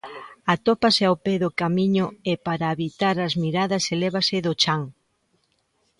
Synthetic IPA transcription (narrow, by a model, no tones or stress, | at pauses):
at̪opaseawpeðʊkamiɲʊepaɾaːβit̪aɾɐzmiɾaðɐselɛβasɪðʊt͡ʃaŋ